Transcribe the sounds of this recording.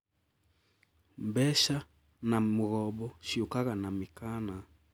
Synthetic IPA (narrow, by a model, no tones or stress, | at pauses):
mbɛʃa | namuɣɔbɔʃiukaɣanamikana